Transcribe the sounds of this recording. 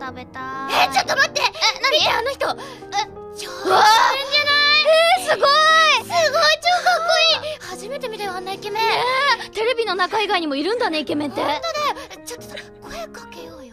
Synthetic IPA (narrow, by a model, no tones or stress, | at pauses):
t̪abe̞t̪aet͡ɕot̪ːomat̪ːe̞nãieano̞çi̥t̪o̞ | t͡ɕoaẽanaiesɨɡoisɨɡot͡ɕokooihaʑime̞t̪e̞mʲit̪ajoanːaike̞mẽet̪e̞ɾe̞bʲino̞nakaiɡaiɲ̟imo̞iɾɯ̟̃nd̪ane̞ike̞mẽ̞nt̪e̞t̪d̪et͡ɕot̪ːosoɾakoekakejojo